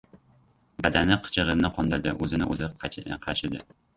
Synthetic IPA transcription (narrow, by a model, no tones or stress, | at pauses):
bad̪anɪqʰɨ̥t͡ʃʰɨʁɨɾnɪqʰɒnd̪ɪɾd̪ɪʔɵzɪnɪ̰ʔɵ̰zqʰɑʃɪd̪ɪ̰